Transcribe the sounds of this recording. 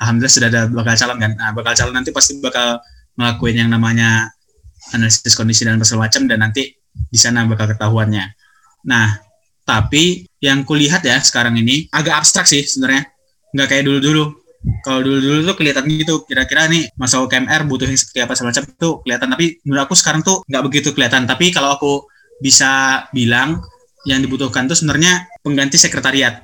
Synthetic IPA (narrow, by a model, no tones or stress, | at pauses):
alɦamdulasudahadabakalt͡ʃalɔnkanəbakalt͡ʃalɔnːant̪ipast̪ibakal | ŋəlakuɪnjaŋnamaɲa | analisɪskɔndisidalnpasalmat͡ʃamdanːant̪i | disanabakalkət̪aɦuanɲa | nah | t̪apijaŋkuliɦat̪jasə̥kaɾaŋiniaɡaʔːbst̪ɾak̚sɪhsəbənarɲa | ŋɡaʔkajaʔduludulu | kalawduludulut̪ukəliɦat̪anɡit̪ukiɾakiɾanimasakaɛmɛrbut̪ʊɦjaŋsə̥pərt̪iapasəmat͡ʃamt̪ukəliat̪ant̪apinlakusə̥kaɾaŋt̪uŋɡaʔbəɡit̪ukəliat̪ant̪apikalawaku | bisabilaŋ | jaŋdibut̪ʊhkant̪usəbənərɲapəŋɡant̪isəkɾet̪aɾiat̪̚